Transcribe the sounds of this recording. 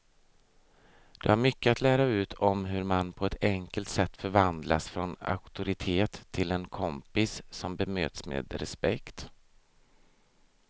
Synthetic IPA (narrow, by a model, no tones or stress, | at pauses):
d̪̥ɛhaɾmʏkːəat̪ʰlæːɾaʉ̟ːt̪ʰɔmɦɵɾmanpʰɔɛt̪ʰɛŋkəlt̪sɛt̪ːfœɾvand̪lasfɾɔna̰kt̪ʊɾɪt̪ʰeːt̪ʰːɪlɛnkʰɔmpɪssɔmbɛmø̰ːt̪smḛːd̪ɾɛspɛkt̪